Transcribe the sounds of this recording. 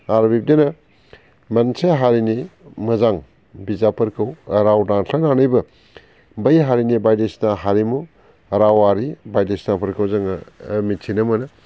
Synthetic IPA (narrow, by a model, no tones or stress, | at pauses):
aɾbip̚denɐ | mɐnseɦaɾinimɐzaŋ | bizapʰɐɾkʰɐwɐɾawdaŋɬʰananɐjbɯ | bɐjɦaɾinibajdesnaɦaɾimu | ɐɾawaɾibajdesnapʰɐɾkʰɐwzaŋɐmitʰinɐmɯnɐ